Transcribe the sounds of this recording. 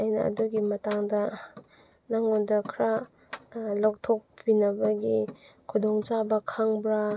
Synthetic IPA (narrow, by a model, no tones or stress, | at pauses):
ajnɐ̰ɐ̰duɡimɐtaŋdɐ | naŋondɐkʰɾa | lok̚tʰok̚pinɐbɐɡikʰudɔŋt͡ʃabɐkʰaŋbɾa